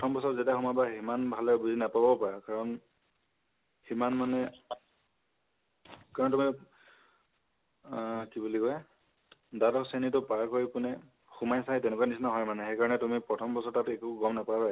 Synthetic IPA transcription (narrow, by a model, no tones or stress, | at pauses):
ptʰɔmbɔsɔzetaxumabaɦimanbʱalɛbuzinapabɔpaɹakaɹɔn | himanmanɛ | kaɹɔntumi | kibulikɔj | datɔksenitʊpaɹkoɹipʊnɛ | xumajsajtɛnɛkuwanisnaɦɔjmanɛxejkaɹɔnɛtumipɹɔtʰɔmbɔsɔɹtatekuɡɔmnapaba